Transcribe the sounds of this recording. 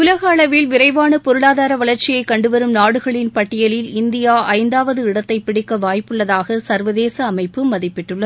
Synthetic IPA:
ʊlɐɣɐːɭɐʋɪlʋɪɾɐɪʋaːɳɯpɔɾɯɭaːðaːɾɐʋɐɭɐɾt͡ʃɪjɐɪkːɐɳɖɯʋɐɾɯmnaːɽɯɣɐɭɪnpɐʈːɪjɐlɪlɪnd̪ɪjaːʔɐɪnd̪aːʋɐðɯɪɽɐt̪ːɐɪpɪɽɪkːɐʋaːjpːɯɭːɐðaːɣɐsɐɾʋɐðeːsɐːmɐɪpːɯmɐðɪpːɪʈːɯɭːɐð

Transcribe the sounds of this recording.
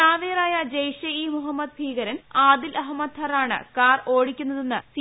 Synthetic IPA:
aːʋeːɐraːjɐd͡ʑɐjʂɐiːmuɦɐmːɐd̪̚bʱiːɣɐɾɐnaːd̪ilʔɐɦɐmːɐd̪hɐraːɳɨ̰kaːroːɽikʲːunːɐðenːɨsi

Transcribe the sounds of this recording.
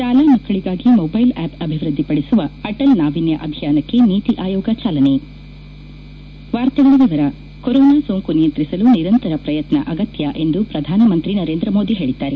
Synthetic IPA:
ʃaːlamɐkːɐɭiɡaːɡimoːbɐjlɛːpɐbʱiʋɾɨd̪ʱːipɐɽesuʋɐɐʈɐlnaːʋinjɐʔɐbʱijaːnɐkːe̞niːt̪iʔaːjɔːɡɐt͡ʃaːlɐne | ʋaːɾt̪ɐɡɐɭiʋɛʋɐɾɐ | kɔɾɔːnaːsoːŋkunijɐnt̪ɾisɐluniɾɐnt̪ɐɾɐpɾɐjɐt̪nɐ̰ʔɐɡɐt̪jɐʔe̞nd̪upɾɐd̪ʱaːnɐmɐnt̪ɾinɐɾeːnd̪ɾɐmoːd̪iɦe̞ːɭid̪ːaːɾe

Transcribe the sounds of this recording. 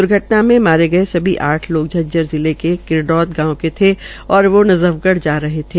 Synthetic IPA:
ʊɾɡʱɐʈnamẽmaːɾeɡɐesɐbʱiʔaːʈʰloːɡ̚d͡ʒʱɐd͡ʒəɾzɪlekekɪɾɖɔːt̪ɡãːõket̪ʰe | ɔːɾʋonɐzəʋɡəɽd͡ʒaːɾɐɦet̪ʰeː

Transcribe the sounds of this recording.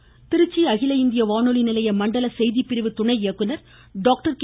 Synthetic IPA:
t̪ɪɾɯt͡ʃːiɐɣɪlɐɪnd̪ɪjɐʋaːnolinɪlɐjɐmɐɳɖɐlɐsɛjðipːɪɾɪʋɯt̪ʊɳɐɪɪjɐkːɯnɐɾ | ɖaːk̚ʈɐɾk

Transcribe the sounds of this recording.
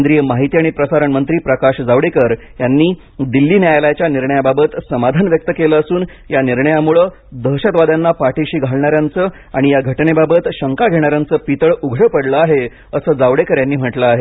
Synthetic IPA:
nd̪ɾijəmaɦit̪iaɽ̃ipɾəsaɾəɳmənt̪ɾiːpɾəkaɕd͡zaʋɽekəɾjanːiː | d̪ilːiːnjajljat͡ɕjaniɾɳəjababət̪səmad̪ʱanʋjək̚t̪əkeləəsuːn | janiɾɳəjamuɭəː | d̪əɦɕət̪ʋad̪anːapaʈeɕiːɡʱaɭɳaɾjant͡səː | aɽ̃ijaɡʱəʈnebabət̪ɕəŋkaɡʱeɽ̃aɾjant͡səːpit̪əɭuɡʱɽəpəɽləaɦe | əsəːd͡zaʋɽekəɾjanːiːm̤əʈləaɦe

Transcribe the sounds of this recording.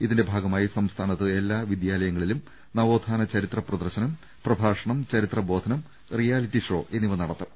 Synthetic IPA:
iðinde̞bʱaːɡɐmaːjisɐmst̪ʰaːnɐt̪ːɨe̞lːaːʋid̪jaːlɐjɐŋːɐɭilum | nɐʋo̞ːd̪ʱaːnɐt͡ɕɐɾit̪rɐprɐðɐrɕɐnɐm | prɐbʱaːʂɐɳɐmt͡ɕɐɾit̪rɐbo̞ːd̪ʱɐnɐm | rijaːlitːiʂo̞ːʔe̞nːiʋɐnɐɽɐt̪ːɐm

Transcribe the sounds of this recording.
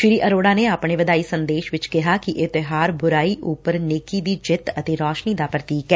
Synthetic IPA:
ʃɪɾiːʔəɾoːɽaːneːaːpɳeːʋəd̪aːiːsənd̪eːʃʋɪt͡ʃkɪɦaːkiʔɪt̪ɪɦaːɾbʊɾaːiːʔʊpəɾneːkiːd̪iːd͡ʒɪt̪ət̪eːɾɔːʃniːd̪aːpɾət̪iːkɛː

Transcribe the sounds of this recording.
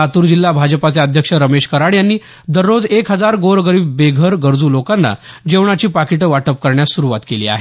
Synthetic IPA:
at̪uːɾd͡ʑilːabʱad͡zəpat͡seəd̪ʱjəkʂəɾəmeɕkəɾaɭjanːiː | d̪əɾːod͡zekɦəd͡zaɾɡoɾɡəɾiːbːeɡʱəɾɡəɾd͡zuːlokanːa̰d͡ʑeʋɳ̃at͡ɕiːpakiʈəʋaʈəp̚kəɾɳjasuɾuʋat̪kelḭːa̰ɦe

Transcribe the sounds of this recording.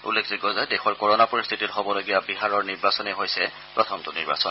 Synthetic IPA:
ṵlːekʰziɡɔzajdɛxɔɹkɔɹɔnapoɹist̪ʰititɦɔbɔloɡijabiɦaɹɔɹniɹbasɔnɛɦojsɛ | pɹɔtʰɔmtʊnḭɹba̰sɔn

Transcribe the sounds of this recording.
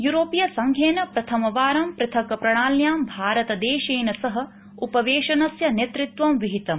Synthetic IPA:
juɾoːpijɐsɐŋɡʱjeːnɐpɾɐt̪ʰɐmɐʋaːɾɐmpɾɐt̪ʰɐkɐpɾɐɳaːljaːmbʱaːɾɐt̪ɐd̪eːʃeːnɐsɐɦɐ̆ | upɐʋeːʃɐnɐsjɐnet̪ɾit̪ʋɐmʋiɦit̪ɐm

